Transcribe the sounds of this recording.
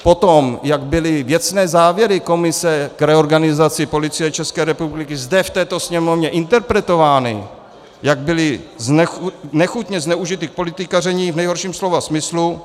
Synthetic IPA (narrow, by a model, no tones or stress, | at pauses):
po̞t̪omjaɡbɪlɪvjɛt͡snɛːzaːvjɛɾɪko̞mɪsɛkɾɛo̞ɾɡanɪzat͡sɪpo̞lɪt͡sɪjɛt͡ʃɛskɛːɾɛpublɪkɪzdɛft̪ɛːt̪o̞sɲɛmo̞vɲɛʔɪnt̪ɛɾpɾɛt̪o̞vaːnɪ̰ | jaɡ̚bɪlɪznɛxnɛxut̪ɲɛznɛuʒɪt̪ɪk̚polɪt̪ɪkarɛɲivnɛjɦo̞ɾʃiːmslo̞vasmɪslu